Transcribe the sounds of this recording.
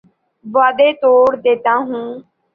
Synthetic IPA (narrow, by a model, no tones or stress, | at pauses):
ʋaːd̪eːt̪oːɽd̪eːt̪ãːɦũː